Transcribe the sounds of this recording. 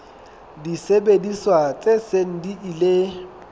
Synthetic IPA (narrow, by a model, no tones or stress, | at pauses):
disebediswat͡sʼeseŋ̩diʔile